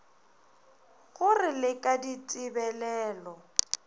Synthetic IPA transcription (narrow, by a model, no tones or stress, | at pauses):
ɣʊrɪlɪkʼadit͡sʼɪbɛlɛːlɔ